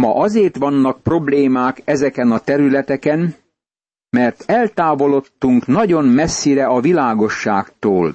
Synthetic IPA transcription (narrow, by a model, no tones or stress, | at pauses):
mɒ̰ʔɒzeːrt̪ʋɒnːɒk̚pro̞bleːmaːkɛzɛkɛnɒt̪ɛɾylɛt̪ɛkɛn | mɛrt̪ɛlt̪aːvo̞lo̞t̪ːuŋknɒɟo̞mmɛsːiɾɛɒvilaːɡo̞ʃːa̰ːkt̪oːl